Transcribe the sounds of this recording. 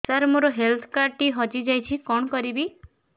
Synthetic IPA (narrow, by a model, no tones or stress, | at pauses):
t͡ʃaɾmuɾɔɦelt̪ʰɔ̥kaɾʈiɦɔd͡ʒid͡ʒajt͡ʃʰikɔɳ̃ɔkɔɾibi